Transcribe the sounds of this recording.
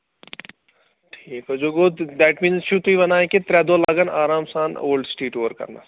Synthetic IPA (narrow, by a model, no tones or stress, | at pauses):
ʈʰiːkɦod͡ʒoɡod̪ɛʈmĩːnzʃut̪uiʋɐnaːẽket̪ɾɛːd̪olaɡɐna̰ːɾaːmsaːno̰ːlɖsʈeːʈoːʋəɾkɐ̰ɾna̰